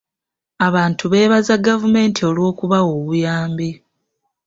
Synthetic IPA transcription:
aβaːntʰuβe̞ːβazaɡavume̞ːntʰio̞lwo̞ːkuβawoβujaːmbi

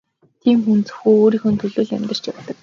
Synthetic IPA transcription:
t̪ʰiːmxunt͡sɵ̥̆xuːoːɾiːxɵ̆nt̪ʰɵɮoːɮæ̰mʲt̪ə̆r̥t͡ɕjawt̪ə̆k̚

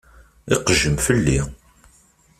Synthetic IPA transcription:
ɪqəʒːəmfəlːi

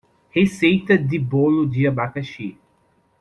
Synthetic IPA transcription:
hesejt̪ɐd̪ɪbolʊd̪iɐbakɐʃi

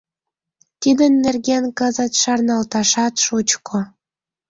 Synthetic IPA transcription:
t̪id̪ənːerɣenkəzət̪ʃɑrnɑlt̪ɑʃɑt̪ʃut͡ɕkʰo

